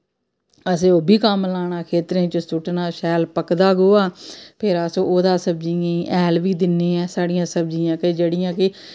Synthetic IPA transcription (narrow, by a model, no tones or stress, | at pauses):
əs̬ẽːoːbʱiːkəmlaːɽ̃aːkʰeːt̪ɾẽːt͡ʃəsʊʈnaːʃɛːlpəkd̪aːɡoːaːpʰɪɾəsõːoːd̪aːsəbd͡ʒiãĩːʔɛːlʋiːd̪ɪnːeːɛːsaːɽijãːsəbd͡ʒiːãːkɪd͡ʒeːɽɪjãːkɪ